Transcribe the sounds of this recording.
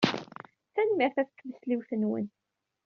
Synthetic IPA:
θænmiɾθæθə̥kːvəsliwθənwə̰n

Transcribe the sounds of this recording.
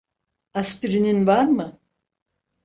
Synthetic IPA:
aspiɾininvaɾmɯ

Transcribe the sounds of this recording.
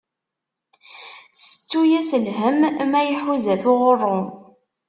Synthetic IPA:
sə̥t͡sːujæsəlɦəmmæjəħwizæθʊʁərˤːo

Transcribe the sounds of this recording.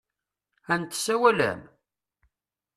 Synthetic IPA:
ænt̪ːsːæwælæ̰m

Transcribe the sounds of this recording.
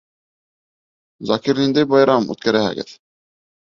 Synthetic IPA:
zɑkiɾnind̪æjbɑjɾɑmʉ̰t̪̚kæɾæhæ̰ɡɘ̰ð

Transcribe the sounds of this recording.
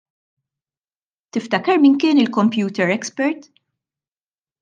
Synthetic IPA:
t̪ɪft̪ɐkɐɾmɪnkɪːnɪlkɔmpjuːt̪ɛɾɛkspɛɾt̪

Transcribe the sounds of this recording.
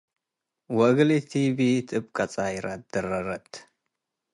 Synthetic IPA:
wɐɡlit̪ʰibit̪ʰɨb̚kʰʼat͡sʼajɾat̪̚d̪̥ɐɾɐɾɐt̪

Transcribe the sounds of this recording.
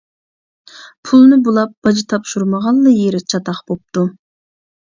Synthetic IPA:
pʰulˠnɨbulˠɑp̚b̥ɑd͡ʒit̪ʰɑpʃuɾməʁɑlˠːɨjeɾɪt͡ʃʰɑt̪ɑχb̥op̚t̪u

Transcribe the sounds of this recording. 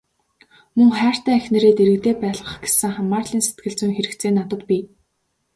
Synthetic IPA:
mɵŋχæːr̥t̪æːæxʲnĕɾeːt̪eɾɘ̆kt̪eːpæːɮʁə̆χɡe̥sɘ̆ŋχamaːrɮiːnse̥t̪̚ɡɘ̆ɮt͡sɘ̆ŋxeɾɘ̆kt͡sʰeːnːat̪ə̆t̪pʲiː

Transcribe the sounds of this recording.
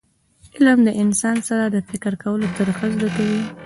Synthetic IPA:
ɪlmd̪əʔɪnsɑnsaɾad̪əfɪkɪɾkawəlot̪əɾxəzd̪akawi

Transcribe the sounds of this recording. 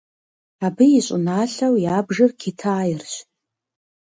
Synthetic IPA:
abɨjɪɕʷʼʊ̰naːɬɐwjaːbʐɨrkʲʰitʰaːjɪrɕ

